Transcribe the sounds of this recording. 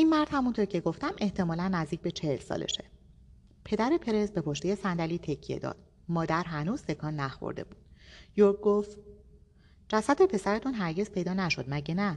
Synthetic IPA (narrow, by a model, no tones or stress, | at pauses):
ʔinmæɾd̪̥hæmunt̪oɾcʰe̞ɡo̞ft̪æme̞ht̪ʰe̞mɒːlænːæzd̪iːc̚be̞t͡ʃʰe̞helsɒ̰ːlḛʃe̥ | pʰe̞d̪æɾe̞pʰe̞ɾe̞zbe̞pʰoʃt̪eje̞sænd̪æliːt̪ʰe̞cʰːije̞̰d̪ɒ̰ːd̪̥̚ | mɒːd̪æɾɦænuːz̥t̪ʰe̞kʰɒːnːæxo̰ɾd̪e̞̰buːd̪̥joɾk̚ɡoft̪ | d͡ʒæsæd̪̚e̞pʰe̞sæɾe̞t̪ʰunɦæɾɟe̞z̥pʰe̞jd̪ɒːnæʃo̞d̪mæɟenæ